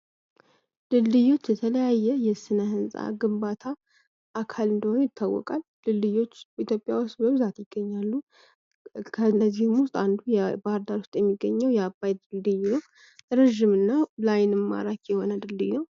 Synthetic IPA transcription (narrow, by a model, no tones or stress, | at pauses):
d̪ɨlːɨjo̞t͡ʃːjɛt̪ʰələjajːɛjɛsɨnəhɨnsʼa̰ɡɨmbat̪ʰa | ʔːkʰalɨnd̪əho̞njɪt̪ʰːawːɔ̰kʼalːɨlːɨjo̞t͡ʃːit̪ʰjo̞pʼːja̰wʊst̪bəβɨzat̪jɪɡ̥ːəɲːalːu | kʰənəzːihmʊst̪ʼand̪ujɛbaɾd̪aɾost̪ʼjɛmːiɡːəɲːəwjɛabajd̪ɨlːɨjno | ɾəʒːɪmɨnːalajnɨmːa̰ɾakjɛho̞nəd̪ɨlːɨjnəw